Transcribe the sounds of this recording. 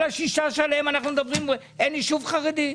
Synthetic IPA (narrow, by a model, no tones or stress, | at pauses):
laʃiʃaʃalemanaχnumed̪abʁime | eniʃuvχaʁed̪i